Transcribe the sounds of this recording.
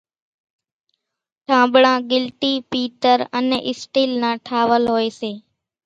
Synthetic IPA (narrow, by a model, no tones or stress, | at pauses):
ʈʰãːbɽãːɡɪlʈiːpiːʈəɾəneːʔɪsʈiːlnãːʈʰaːʋəlɦoːeːseː